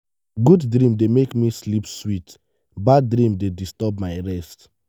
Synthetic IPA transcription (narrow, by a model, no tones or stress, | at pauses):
ɡuddɾĩmdemekmislipswit | baddɹĩmdedistɔbmaɪɹɛst